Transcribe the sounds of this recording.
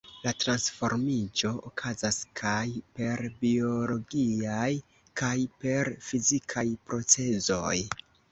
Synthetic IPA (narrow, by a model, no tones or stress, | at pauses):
latɾansfo̞̰ɾmid͡ʒo̞ʔokʰazaskʰajpe̞ɾbio̞lo̞ɡiaj | kʰajpe̞ɾfizikʰajpɾo̞t͡se̞zo̞j